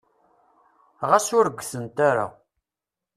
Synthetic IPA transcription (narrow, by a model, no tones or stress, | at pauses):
ʁæsʊɾəɡʷːθənt̪aɾa̰